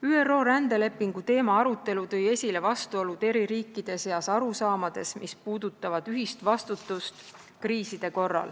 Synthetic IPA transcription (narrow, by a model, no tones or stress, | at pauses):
yːe̞ro̞ːɾænd̪̥e̞le̞pːˑiŋɡ̥ut̪e̞ːmɑɑɾut̪ˑːe̞lut̪ɤ̞je̞sʲile̞vɑst̪uo̞lud̪̥e̞ɾiɾiːkːˑid̪̥e̞seɑsɑɾusɑːmɑd̪̥e̞smispuːd̪̥ut̪ːˑɑvɑd̪̥yɦist̪vɑst̪ut̪ːˑust̪ | kriːsid̪̥e̞ko̞rːɑ̰l